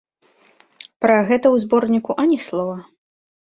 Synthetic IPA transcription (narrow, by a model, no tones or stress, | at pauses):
pɾɐɣɛt̪ɐwzbɔrnʲikuʔɐnʲɛslˠɔvɐ